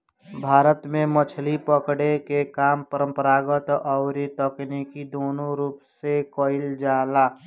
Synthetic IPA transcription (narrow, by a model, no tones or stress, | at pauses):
bʱaːɾət̪mẽmət͡ʃʰlipəkɽekekaːmpəɾə̃mpəɾaːɡət̪ɔʊɾit̪əknikid̪oːnõɾuːpsekoɪld͡ʒaːlaː